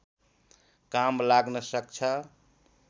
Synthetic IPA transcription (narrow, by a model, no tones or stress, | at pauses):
kamlaɡnəsəkt͡ʃʰə